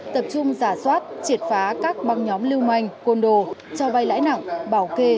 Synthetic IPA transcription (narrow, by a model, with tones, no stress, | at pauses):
t̪ə˨˩p̚t͡ɕʊ˧ŋ͡mzaː˧˩swaː˦˥t̚t͡ɕi˨˩ət̚faː˨˦kaː˦˥k̚ɓa˧˩ŋɲɔ˨˦mli˧əwma˧˩jŋ̟ko˧nɗo˧˨t͡ɕɔ˧ɓa˧jla̰ː˧˥jna̰˧˨ŋɓaː˧˩wke˧